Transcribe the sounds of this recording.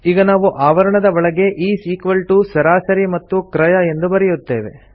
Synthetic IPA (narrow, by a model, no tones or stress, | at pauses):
iːɡɐnaːʋuʔaːʋɐɾɐɳɐd̪ɐɔɭɐɡe̞ʔiːsiːkʋɐlʈusɐɾaːsɐɾimɐt̪ːukɾɐjɐe̞nd̪ubɐɾɛjut̪ːe̞ːʋe̞̰